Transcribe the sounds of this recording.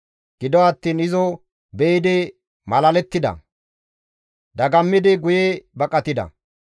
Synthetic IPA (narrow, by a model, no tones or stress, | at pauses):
ɡ̥ɪd̪ɔɐt̪ːiːnɪzɔ | bɛɪd̪ɪ | mɐlɐlɛt̪ːɪd̪ɐ̰ | d̪ɐɡɐmːɪd̪ɪɡʊjebɐkʼɐt̪ɪd̪ɐ̰